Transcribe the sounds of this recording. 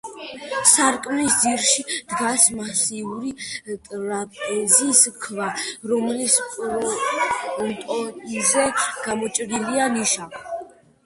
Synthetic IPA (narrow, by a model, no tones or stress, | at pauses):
saɾkʼnisd̪ziɾʃid̪̥ɡasmasiuɾit̪ʼɾapʼɛziskʰvaɾɔmlispʼɾ | t̪ʼɔzɛɡ̥amɔt͡ʃʼɾilianiʃav